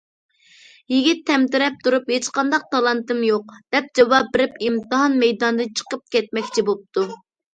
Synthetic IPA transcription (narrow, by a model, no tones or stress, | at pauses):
jiɡʲit̪ʰːɛmt̪ɪɾɛp̚t̪uɾuphet͡ʃqɑnd̪ɑq̚t̪ʰɑlˠɑnt̪ɨmjoq̚d̪̥ɛp̚d͡ʒɑwɑp̚ːɪɾɪpimt̪ɨɦɑnmɛjd̪ɑnd̪ɨnt͡ʃʰə̥qəp̚kʲɛt̪̚mɛkʲt͡ʃʰibop̚t̪ʰu